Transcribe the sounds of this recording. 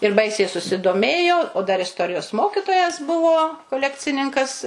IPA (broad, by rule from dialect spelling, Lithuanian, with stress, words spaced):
ɪr ˈbɐɪsʲɛɪ sʊsʲɪdoːˈmʲeːjoː oː dɐr ɪsˈtoːrʲɪjoːs ˈmoːkʲɪtoːjɛs ˈbʊʋoː koːˈlʲæːkt͡sʲɪnʲɪŋkɐs